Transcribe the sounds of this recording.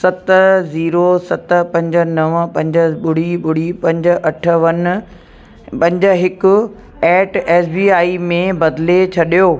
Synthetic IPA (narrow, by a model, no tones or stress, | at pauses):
sɐt̪ziːɾosɐt̪pɐ̃ɲd͡ʑənɐʋpɐ̃ɲd͡ʑəɓʊɽ̤iɓʊɽ̤ipɐ̃ɲd͡ʑə̆ʔɐʈʰʋɐn | pɐ̃ɲd͡ʑə̆ɦɪkʊ | ɛːʈeːsbiːaːimẽbɐd̪let͡ɕʰɐɗijoː